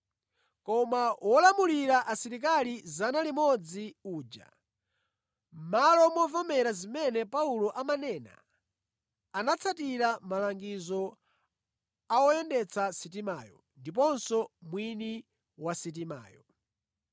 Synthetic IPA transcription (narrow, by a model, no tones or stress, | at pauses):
kɔmawɔlamuliɾaʔasiɾik̬alizanalimɔd͡ziuːd͡ʒa̰ | malɔmɔvamɛɾazimɛnɛpaulɔʔamanɛːna̰ | anat͡sʰatiɾamalaŋɡizɔ | aɔjɛndɛt͡sʰasit̬imaːjɔ̰ | ndip̬ɔnsɔmwini | wasit̬ima̰ːjɔ